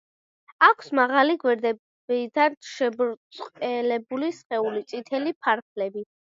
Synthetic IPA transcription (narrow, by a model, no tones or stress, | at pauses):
akʷʰsmaʁaliɡwɛɾd̪ɛ | bid̪anʃɛbɾsʼqʼɛlɛbulisχɛulit̪sʼit̪ʰɛlipʰaɾpʰlɛbi